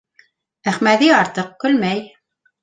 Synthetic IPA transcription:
æχmæðiɑɾt̪əq̚kɵlmæj

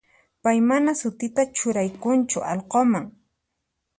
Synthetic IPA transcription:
pajmanasʊt̪ɪt̪at͡ʃʊɾajkʊnt͡ʃʊʔɑlqomaŋ

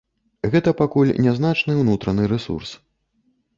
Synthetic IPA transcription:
ɣɛt̪ɐpakulʲnʲaznat͡ʂnɨwnut̪ɾɐnɨɾɛsṵrs

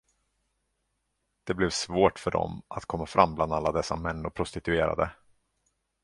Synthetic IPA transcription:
d̪̥ɛblɛvsvoːʈfœɖɔ̰mʔat̪kʰɔmːafɾʔamːbland̪alːad̪ɛsːamɛnːʊpʰɾʊst̪ɪt̪ɵeːɾa̰d̪ə

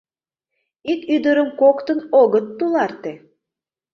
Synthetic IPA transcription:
ikyd̪əɾə̆mkokt̪ə̆noɣə̆t̪ːulˠɑrt̪e

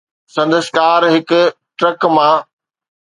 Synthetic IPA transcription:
sɐ̃nd̪əskaːɾɦɪkʊ̆ | ʈɾəkmãː

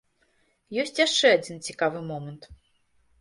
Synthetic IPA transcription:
jɔsʲt͡sʲjaʂt͡ʂɛad͡zʲint͡sʲikavɨmɔmɐnt̪

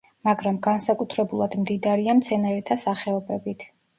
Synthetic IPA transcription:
maɡɾamɡansakʼut̪ʰɾɛbulˠad̪̥md̪id̪aɾiamt̪sʰɛnaɾɛt̪ʰasaχɛɔbɛbit̪ʰ

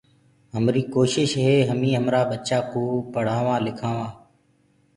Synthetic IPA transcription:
ɦəmɾiːkoːʃɪʃɦeːɦəmĩːɦəmɾaːbət͡ʃaːkõːpəɽ̤aːʋãːlɪkʰãːʋãː

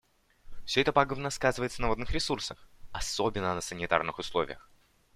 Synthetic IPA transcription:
fsʲɵɛt̪əpaɡəvnəskazɨvəjɪt̪sənəvod̪nɨxɾʲɪsursəxɐsobʲɪnːənəsənʲɪt̪a̰rnɨxʊslˠovʲɪ̰jəx

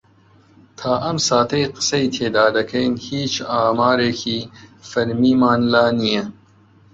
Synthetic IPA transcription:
t̪ʰaːʔɐmsaːt̪ʰɐjqɨ̥sɐjt̪ʰeːd̪aːd̪ɐkʰɐjnhiːt͡ʃaːmaːɾeːkʰiːfɐɾmiːmaːnlaːnijɛ

